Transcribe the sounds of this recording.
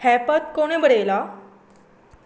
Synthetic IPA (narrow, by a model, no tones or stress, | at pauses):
hɛpət̪̚koɽ̃ebʱəɽejla